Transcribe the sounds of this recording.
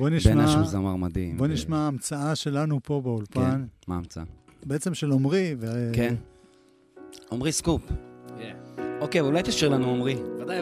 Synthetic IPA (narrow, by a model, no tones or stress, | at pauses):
boniʃemaaʃuzamaʁmad̪imbo̞niʃmaːmt͡saaʃe̞lanupo̞beulpanmaːmt͡saa | beet͡se̞mʃelomʁiveken | omʁiskup | okejvulajt̪aʃiʁlanuomʁia